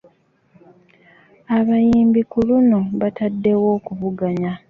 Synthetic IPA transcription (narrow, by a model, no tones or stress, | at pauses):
aβajiːmbikulunoβatadːe̞wo̞ːkuβuɡaɲa